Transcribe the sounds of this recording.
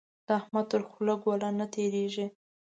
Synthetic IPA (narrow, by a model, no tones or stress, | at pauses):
d̪̥əahmad̪̚t̪əɾxulaɡwalanat̪ʰeɾeʒi